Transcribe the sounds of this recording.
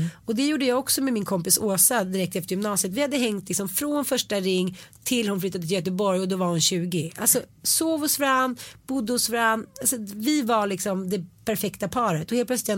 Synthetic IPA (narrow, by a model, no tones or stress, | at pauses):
ɔd̪ɛjuːɖəjɑːɡɔksɔmɛmɪnkʰɔmpɪsoːsad̪ɪɾɛk̚t̪ɛft̪əɾjʏmnɑːsɪət̪vɪhad̪ːəɦɛŋt̪lɪksɔmfɾoːnfœʂʈaɾɪŋːt̪ʰɪlːhʊnflʏt̪ːad̪əɪljœt̪əbɔɾjɔd̪ɔvaɾhʊnɕʉ̟ːɡɪʔa̰lsɔsoːvɔsfɾanːb̥ʊd̪ːəhʊsfɾanːalsɔvɪvaɭɪksɔmd̪ɛpʰæɾfɛkt̪apʰɑːɾət̪ɔheːlplœtslɪt̪ʰ